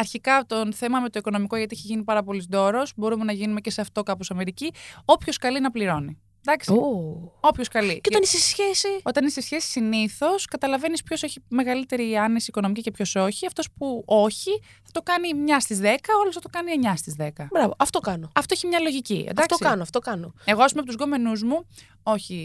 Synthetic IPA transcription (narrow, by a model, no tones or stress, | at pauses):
ɐɾçikɐt̪onθe̞mɐme̞t̪oiko̞no̞miko̞ʝɐt̪iiçeʝinipɐɾɐpo̞lizd̪o̞ɾo̞zbo̞ɾumenɐʝinume̞ce̞seɐft̪o̞kɐposɐme̞ɾicio̞pço̞skɐlinɐpliɾo̞ni | d̪ɐksoo̞pço̞skɐlieot̪ɐnisesçesio̞t̪ɐnisesçesi̥siniθo̞skɐt̪ɐlɐve̞nispço̞se̞çime̞ɣɐlit̪e̞ɾiɐnesiːko̞nomicice̞pço̞so̞çiɐft̪o̞spuo̞çi | θɐ̥t̪o̞kɐnimɲɐst̪izðe̞kɐolosθɐt̪o̞kɐnieɲɐst̪izðe̞kɐbɾɐvoɐft̪okɐnoɐft̪o̞eçimɲɐlo̞ʝiciḛd̪ɐfɐkt̪osikɐnoɐft̪okɐnoe̞ɣoɐsumepot̪uzɡo̞me̞nuzmu | o̞çi